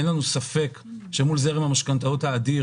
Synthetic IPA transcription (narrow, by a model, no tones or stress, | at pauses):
enlanusafe̞k | ʃemulzeʁimamaʃkant̪autaːdi